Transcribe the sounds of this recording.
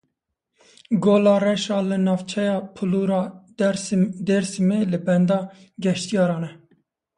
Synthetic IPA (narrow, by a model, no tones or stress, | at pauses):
ɡoːlɑːɾɛʃɑːlɨnɑːvt͡ʃʰɛjɑːpʰɨluːɾɑː | d̪ɛɾsimeːlɨbɛnd̪ɑː | ɡɛʃt̪ijɑːɾɑːnɛ